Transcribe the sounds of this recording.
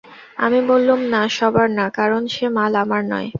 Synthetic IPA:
amibolːumnaʃɔbaɾnakaɾonʃemalamaɾnɔ̰e

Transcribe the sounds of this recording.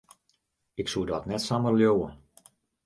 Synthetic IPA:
ɪksuədɔtnɛtsamərljowə

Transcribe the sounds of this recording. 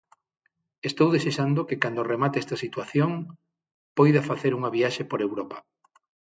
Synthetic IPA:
est̪owðeseʃand̪okekand̪oremat̪eɛst̪ɐsit̪waθjoŋ | pojðɐfaθeɾuŋɐβiaʃepoɾewɾɔpɐ̥

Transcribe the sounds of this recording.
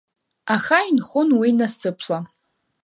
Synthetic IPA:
aχajnχʊnwinasɨpʰla

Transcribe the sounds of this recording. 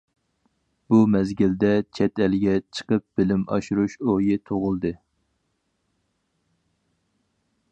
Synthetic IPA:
b̥umɛzɡʲild̪ɛt͡ʃʰɛt̪ɛlɡʲɛt͡ʃʰə̥qəp̚b̥ɪlɪmɑ̰ʃuɾuʃojɪt̪ʰoʁʊlˠd̪ɨ

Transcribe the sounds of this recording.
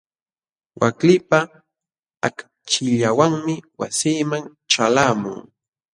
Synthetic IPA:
wʔaklɪpa | ak | t͡ʃɪʎawaŋmɪwasiːmaŋ | ʈ͡ʂalamʊ̰ŋ

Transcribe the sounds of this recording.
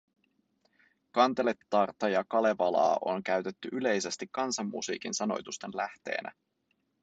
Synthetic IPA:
kɑnt̪e̞le̞t̪ːɑrt̪ːɑjɑkɑle̞ʋɑlɑ̰ːʔo̞nk̟æɥt̪e̞t̪ːyʔyle̞jse̞st̪ikːɑnsɑmːṵsḭːkinsɑno̞̰jt̪ust̪e̞nlæht̪e̞̰ːnʔæ̰

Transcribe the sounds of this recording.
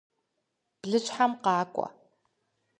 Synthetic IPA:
b̥ɮɨɕħamqɑːkʷʼɔ̰

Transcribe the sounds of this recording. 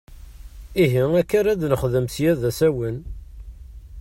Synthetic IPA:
iɦiækːaɾæd̪nəχðəmθjæðæsæwən

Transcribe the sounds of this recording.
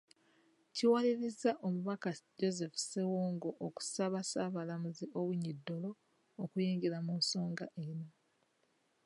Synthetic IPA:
ciwaliɾizːaʔomuβakaɟo̞ze̞fu̥sewoːŋɡo̞ʔːku̥saβasaːβalamuziʔo̞βwiɲidːo̞lo̞ː | kujiːŋɡiɾamunso̞ːŋɡaʔeno̞

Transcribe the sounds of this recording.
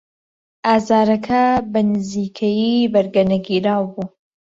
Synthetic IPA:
ʔaːzaːɾɐkʰɐbɐnɨziːkʰɐjibɐɾɡɐnɐɡiːɾaːwbuː

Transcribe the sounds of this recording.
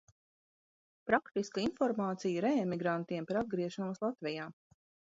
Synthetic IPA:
pɾakt̪iskinfɔɾmaːt̪sijɾɛmiɡɾant̪iɛmpaɾad̪̚ɡɾiɛʃanuɔslˠat̪vʲɛjaː

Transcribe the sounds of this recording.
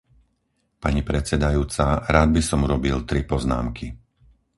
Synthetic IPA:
paɲipɾɛt͡sɛd̪ajuːt͡saɾaːd̪̚bisɔmuɾɔbilt̪ɾipɔzna̰ːmki

